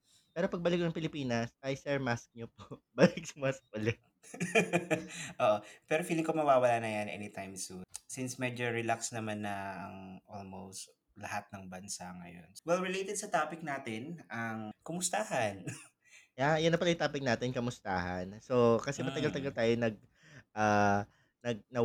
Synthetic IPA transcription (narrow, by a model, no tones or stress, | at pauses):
pɛːɾo̞pɐɡ̚bɐlɪknɐŋpɪlɪpiːnɐsʔɐjsɛɹmask̚ɲopoʔbɐlɪk̚sɐmask̚pɐlɛ | ʔoːʔopɛɾofiːlɪŋkomɐwaːwɐlaːnɐjanʔɛ̰nit̪ajmsunsinsmɛd͡ʒoɹɛlaksnɐmanːɐɐ̰ŋʔolmowst̪ | lɐhat̪̚nɐŋbɐnsaŋɐ̰jo̰nwɛlɹɪlejt̪ɛd̪̚sɐt̪aːpɪk̚naːt̪ɪnɐŋkɐmʊst̪aːhɐn | jajʊnːɐpɐlɐjʊt̪aːpɪk̚naːt̪ɛnkɐmʊst̪a̰ːhɐ̰nso̞kɐsɛmɐɐɡɐlt̪ɐɡɐlt̪aːjonɐɡ̚ | ʔaː | nɐɡ̚nɐ